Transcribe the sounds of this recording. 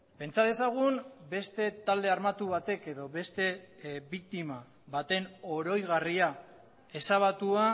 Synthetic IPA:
pe̞nt͡saðe̞saɣ̞unbe̞st̪e̞t̪ald̪e̞armat̪uβat̪e̞ke̞ðo̞βe̞st̪e̞βik̚t̪ima | βat̪e̞no̞ɾo̞jɣaria | e̞saβat̪ua

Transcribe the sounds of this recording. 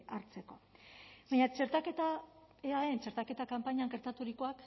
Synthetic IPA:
aɾt͡se̞ko̞baɲat͡ʃe̞ɾt̪ake̞t̪a | eaent͡ʃe̞ɾt̪ake̞t̪akampaɲaŋɡe̞ɾt̪at̪uɾiko̞ak

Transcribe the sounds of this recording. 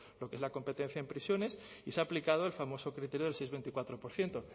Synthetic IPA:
lo̞kee̞zlako̞mpe̞t̪ẽ̞n̟θjaempɾisjo̞ne̞siseaplikað̞oelfamo̞so̞kɾit̪eɾjoðelsejzβe̞nt̪ikwat̪ɾo̞po̞ɾθje̞nt̪o

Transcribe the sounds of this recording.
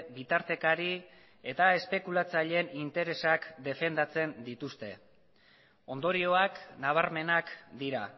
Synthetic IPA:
bit̪aɾt̪e̞kaɾi | e̞t̪ae̞spe̞kulat͡saʎenint̪e̞ɾe̞sakd̪e̞fe̞nd̪at͡se̞nd̪it̪ust̪e̞ | o̞nd̪o̞ɾio̞aknaβ̞aɾme̞nakd̪iɾa

